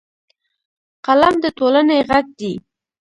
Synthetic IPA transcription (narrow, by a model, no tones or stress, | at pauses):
qalamd̪ət̪olaneɣaɡ̚d̪i